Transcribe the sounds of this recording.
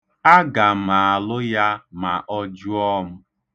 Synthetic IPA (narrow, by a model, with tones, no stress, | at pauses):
a˦ɡa˨ma˨a˨lʊ˦ja˦ma˨ʔɔ˦d͡ʒʊ˦ɔ˦mʊ˦